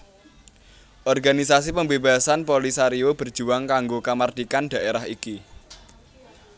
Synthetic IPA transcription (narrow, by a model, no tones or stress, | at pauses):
ʔɔrɡanisas̬ipəmbeba̤sanpolisaɾiob̥ə̤rd͡ʒʒ̥uaŋkaŋɡokamard̪̥ikanɖ̥a̤ʔeɾaɦiki